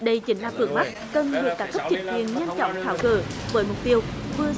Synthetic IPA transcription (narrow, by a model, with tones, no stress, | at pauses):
ɗə˧jt͡ɕï˨˦ŋ̟laː˨˩fɨ˧˩əŋma˦˥kə˨˩nlɨ̰˨k̪ːaː˨˦kə˦˥p̚t͡ɕï˨˩˦ŋ̟kwḭ˧˨ənɲa˧nt͡ɕɔ̰˧˨wŋ͡mt̪ʰaː˨˦wɣə̰ː˧˩vəː˨˦jmʊ˨˩k͡p̚t̪i˧əwvɨ˧ə